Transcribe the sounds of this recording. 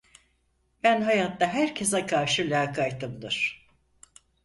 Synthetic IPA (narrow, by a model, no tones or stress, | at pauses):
b̥ænɦajat̪ːaɦæɾcʰesɛkʰaɾʃɯlʲaːkʰajt̪ʰːɯmd̪ɯɾ̥